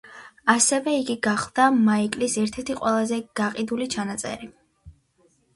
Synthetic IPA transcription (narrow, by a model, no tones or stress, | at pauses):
asɛvɛiɡiɡaχlˠd̪̥amaikʼlisɛɾt̪ʰɛɾt̪ʰiqʼwɛlˠazɛɡ̥aqʼid̪ulit͡ʃʰanat̪sʼɛ̰ɾi